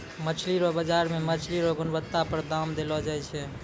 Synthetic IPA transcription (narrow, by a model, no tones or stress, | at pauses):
mət͡ʃʰliɾɔbəd͡ʒaɾmemət͡ʃʰliɾoɡʊnbət̪ːapəɾd̪amd̪elɔd͡ʒaɛt͡ʃʰɛ